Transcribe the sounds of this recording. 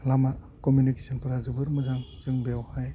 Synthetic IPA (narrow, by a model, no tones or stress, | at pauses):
lama | komjunikesʰɔnpɯɾazɯbɯɾmɯzaŋzɯŋbeawhaj